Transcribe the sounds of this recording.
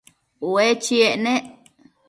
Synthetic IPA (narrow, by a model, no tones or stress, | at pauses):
wet͡ʃieʔnẽʔ